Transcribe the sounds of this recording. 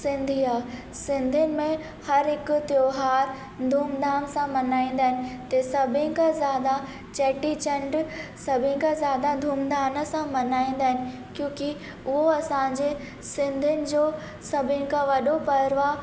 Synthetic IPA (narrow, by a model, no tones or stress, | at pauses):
sɪ̃nd̪ʱiːaː | sɪ̃nd̪ʱʊnɪ̆mẽ | hɐɾɦɪkʊt̪joːɦaːɾ | d̪ʱuːmd̪aːnsãmɐnaːĩːn̆d̪aːɦɪnɪ̆t̪ɐsɐbʱɪ̃kãzjaːd̪a | t͡ɕɛːʈit͡ɕɐ̃ɳɖsɐbʱɪ̃kãzjaːd̪ad̪ʱuːmd̪aːnəsãmɐnaːĩːn̆d̪aːɦɪnɪ̆ | kjõːki | ʊɦoɐsãːɲd͡ʑe | sɪ̃nd̪ʱʊnɪ̆d͡ʑoː | sɐbʱɪ̃nɪkãʋɐɗopɐɾʋaː